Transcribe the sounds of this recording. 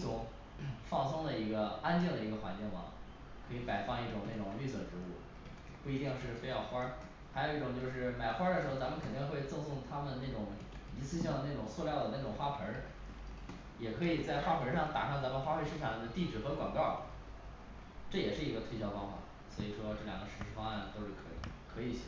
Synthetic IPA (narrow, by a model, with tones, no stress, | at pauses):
ʊ˧˥˩ŋ | fɑ˥˩ŋsɤ˥ŋd̪ə˨i˧˥ɡə˧a˥nt͡ɕjɛ˥˩ŋd̪ə˩i˧˥ɡə˧xwa˧˥nt͡ɕi˥˩ŋmɐ̰˩ | kʰɤ˧˥i˧˥pa˨˩ɪfɑ˥˧ŋi˥˩ʈ͡ʂʊ˨˩ŋne˥˩ʈ͡ʂʊ˨˩ŋly˥˩swə̰˨˩nʈ͡ʂɻ̩˧˥u˥˩ | pu˥˩i˧˥t̪i˥˧ŋʂɻ̩˥˩fe˥ɪjɑ˥˩ʊxwa˥ | xa˧˥jo˨˩i˥ʈ͡ʂʊ˨˩ŋt͡ɕjo˥˧ʊʂ̬ɻ̩˥˩ma˨˩ɪxwa˥d̪ə˩ʂɻ̩˧˥xo˧˩t͡sa˧˥mə˧kʰə˨˩nt̪i˥˧ŋxwe˥˧ɪt͡sɤ˥˧ŋsʊ˥˩ŋt̪ʰa˥mə˨nd̪ə˩na˥˩ʈ͡ʂʊ˨˩˦ŋ | i˧˥sɹ̩˥ɕɑ˥˩ŋd̪ə˩na˥˩ʈ͡ʂʊ˨˩ŋt͡sʰwɔ˥˧ljɑ˥˩ʊd̪ə˩na˥˩ʈ͡ʂʊ˨˩ŋxwa˥pʰə˧˥ | jɛ˨˩kʰɤ˧˥i˨˩t͡sa˥˩ɪxwa˥pʰə˧˥ʂɑ˥˩ŋt̪a̰˨˩ʂɑ˥˩t͡sa˧˥mə˧nxwa˥fwe˥˧ɪʂɻ̩˥˧ʈ͡ʂʰɑ˨˩ŋd̪ə˧˦t̪i˥˩ʈ͡ʂɻ̩˨˩xɤ˧˥kwɑ̰˨˩ŋkɑ˥˩ʊ | ʈ͡ʂɤ˥˩jɛ˨˩ʂɻ̩˥˩i˧˥ɡə˧t̪ʰwe˥˧ɪjɑ˥ʊfɑ˥ŋfa̰˨˩˦ | swɔ̰˧˥i˨˩ʂwɔ˥ʈ͡ʂɤ˥˩ljɑ̰˨˩ŋɡə˦ʂɻ̩˧˥ʂɻ̩˥˧fɑ˥ŋa˥˩nt̪o˥ʊʂɻ̩˥˩kʰɤ˧˥ḭ˨˩kʰɤ˧˥i˨˧˩ɕɛ˨˩